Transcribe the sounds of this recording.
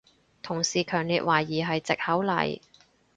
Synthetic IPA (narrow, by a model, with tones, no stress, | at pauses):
t̪ʰʊ˨˩ŋsiː˨˩kʰœː˨˩ŋliː˨˧t̚waː˨˩jːiː˨˩ɦɐ˨jt͡sɪ˨k̚hɐ˨˥wlɐ̰˨˩j